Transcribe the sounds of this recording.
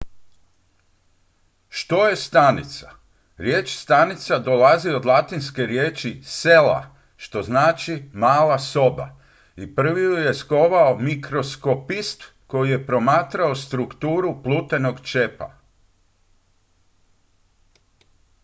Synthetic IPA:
ʃt̪o̞je̞st̪anit̪sa̰ | ɾje̞ːt͡ʃst̪anit̪sad̪o̞lazio̞d̪lˠat̪inske̞ɾjeːt͡ʃise̞la̰ | ʃt̪o̞znaːt͡ʃimaːlaso̞ba̰ | ipr̩ʋijuje̞sko̞ʋaomikɾo̞sko̞pist̪ | ko̞jije̞pɾo̞maːt̪ɾao̞st̪ɾukt̪uːɾuplˠuːt̪e̞no̞ɡt͡ʃe̞pa̰

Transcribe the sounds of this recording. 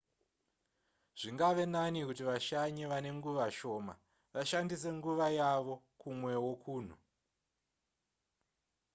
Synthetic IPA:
ʐ̥iŋɡaʋe̞nanikutiʋaʃaɲiʋane̞ŋɡuʋaʃo̞ːma̰ | ʋaʃandise̞ŋɡuʋajaʋo̞ | kumwe̞wo̞kʰuːn̤u

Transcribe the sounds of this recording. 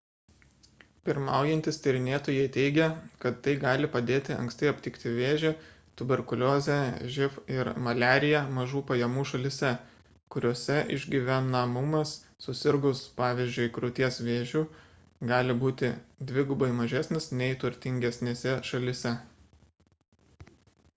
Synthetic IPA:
pʲɪɾmɑ̰ˑʊjɛnʲt̪ʲɪst̪ʲɪɾʲɪnʲeːt̪oːjɛɪt̪ʲɛɪɡʲɛkɐt̪ːɐɪɡɑːlʲɪpɐd̪ʲeːt̪ʲɪɐ̰ŋksʲt̪ɛɪɐpʲt̪ʲɪkt̪ʲɪʋʲeːʒʲe | t̪ʊbʲɛɾkʊlʲoːzʲɛʒʲɪfɪɾmɐlʲæːɾʲɪjɛmɐʒuːpɐjɛmuːʃɐlʲɪsʲɛ | kʊɾʲoːsʲɛʔɪ̰ʒʲɡʲiʋʲænɐmʊmɐsː | ʊsʲɪɾɡʊspɑːʋʲizʲd͡ʒʲʊɪkɾʊt̪ʲiɛsʋʲeːʒʲuː | ɡɑːlʲɪbuːt̪ʲɪd̪ʲʋʲɪɡʊbɐɪmɐʒʲæːsʲnʲɪsnʲɛɪt̪ʊɾʲt̪ʲɪŋʲɡʲɛsʲnʲeːsʲɛʃɐlʲɪsʲɛ

